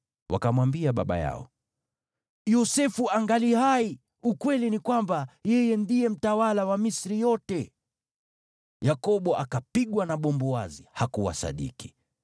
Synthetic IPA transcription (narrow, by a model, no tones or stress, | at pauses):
wʔa̰kamwambiaɓaɓa̰ja̰ɔ̰ | jɔsɛfuaŋɡalihai | ukwɛlinikwambajɛjɛndijɛm̩tawalawamisɾijɔtɛ | jakɔɓɔʔakapiɠwanaɓɔmbɔwazihakuwa̰sa̰ɗḭki̥